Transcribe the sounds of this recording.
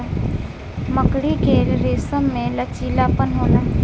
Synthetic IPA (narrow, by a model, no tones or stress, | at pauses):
məkɽikeɾeːsəmːẽlət͡ʃiːlaːpənɦoːɡa